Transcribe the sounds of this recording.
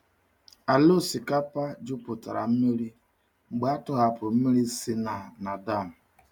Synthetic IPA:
a˨lo˦˨si˨ka˦pa˦d͡ʒʊ˦pʊ˨ta̰˨ɾa̰˨m̩˦me˦ɾi˦ | ŋ͡m̩˨ɡ͡ba˦a˦tʊ˦ɣa˨pʊ˨m̩˦me˦ɾi˦si˦na˨na˨da˦˨m̩˨

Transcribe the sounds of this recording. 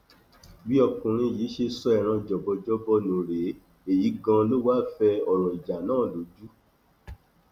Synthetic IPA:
bi˦ɔ˧kũ˨ɾ̃ĩ˧˨ji˨˦ʃe˧sɔ˦ɛ˨ɾ̃ã˧d͡ʒɔ˨bɔ˧d͡ʒɔ˦bɔ˧nũ˨ɾe˨˦ | e˦˨ji˨˦ɡã˧lo˦wa˦fɛ˧ɔ˨ɾɔ˨i˨d͡ʒa˨nãː˦˨lo˨˦d͡ʒu˦

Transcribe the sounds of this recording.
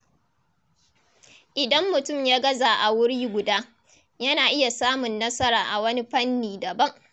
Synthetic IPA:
ʔɪ˨dɐ˦mːʊ˨tʊ˦˨mjaː˦ɡɐ˦zaː˨ʔa˨wʊ˦ɽiː˦ɡʷʊ˨daː˦ | jɐ˦naː˨ʔɪ˦ja˨saː˦mʊ˨nːɐ˦sɐ˦ɾaː˨ʔa˨wɐ˦ni˦ɸɐ˦nːiː˨dɐ˨bɐ˦ŋ

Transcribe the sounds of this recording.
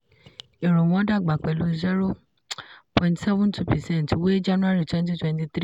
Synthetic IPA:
e˨ɾõ˨w̃ɔ̃˨˦da˦˨ɡ͡ba˨k͡pɛ˨lu˧˦zɛ˦ɾo˦˨ | pʰɔ̃˨ĩntsɛ˦vũ˦ntʰu˦pɛ˨sɛ̃˦˨n˨twe˦d͡ʒa˦nũ˦a˦ɾi˦˨twɛ̃˦n˦t̬i˦twɛ̃˧nti˧t̪ɾi˦

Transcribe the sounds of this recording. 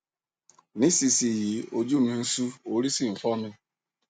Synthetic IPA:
ni˦si˨si˨ji˨o˨d͡ʒu˦mi˨n̩˦su˦o˨ɾi˦si˦˨m̩˨fɔ˦nɪ˦

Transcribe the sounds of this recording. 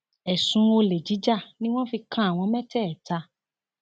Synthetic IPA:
ɛ˨sũ˨˦o˧le˨d͡ʒi˨˦d͡ʒa˦˨nĩ˦w̃ɔ̃˦fi˧kʰã˦a˨w̃ɔ̃˧mɛ̃˦tɛ˦˨ta˧

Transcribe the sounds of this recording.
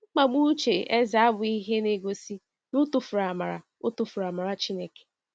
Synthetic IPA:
ŋ͡m̩˦k͡pa˨ɡ͡bu˦t͡ʃe˨e˦za˨˦a˦bʊ˨i˦ɦe˦ne˦ɡo˨si˦ | nʊ˦tu˨fʊ˨ɾa˨ma˨ɾa̰˨ | ʊ˦tʊ˨fʊ˨ɾa˨ma˨ɾa˨t͡ʃi˦ne˦ke̥˨

